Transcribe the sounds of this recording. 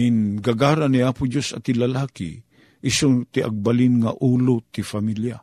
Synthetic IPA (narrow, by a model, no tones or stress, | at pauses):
ɪnɡaɡaːɾaniaːpʊd͡ʒosa̰t̪ɪlalaːkḭ | ʔɪsot̪ɪʔa̰ɡ̚balinŋaʔuːlʊt̪ɪfamilja